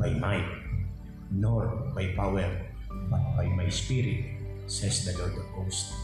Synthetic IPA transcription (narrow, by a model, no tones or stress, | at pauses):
ajmajt̪ | nɔɾbajpawɛɾ | bat̪̚bajmajspiɾit̪ | sɛsd̪əlɔd̪ost̪